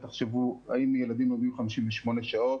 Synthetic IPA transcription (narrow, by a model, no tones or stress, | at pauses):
t̪aχʃevuaimjelad̪imjoɡimχamiʃimveʃmoneʃaot̪